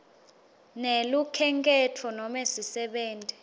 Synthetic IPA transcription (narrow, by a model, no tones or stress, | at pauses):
nelukʰɛŋkʼɛtʰɔnɔmesisɛɓɛːntʼɛ